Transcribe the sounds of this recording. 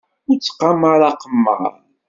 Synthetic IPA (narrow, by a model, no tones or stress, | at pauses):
ʊɾt͡sːqːaməɾˤɑqəmːə̰ɾˤ